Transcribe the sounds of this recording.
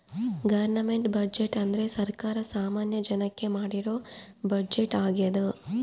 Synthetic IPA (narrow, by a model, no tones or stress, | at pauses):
ɡɐʋɐɾnɐme̞ɳʈbɐd͡ʒeʈɐnd̪ɐɾe̞sɐɾkaːɾɐsaːmaːnjɐd͡ʒɐnɐkːe̞maːɽiɾo̞ː | bɐd͡ʒeʈaːɡijɐd̪u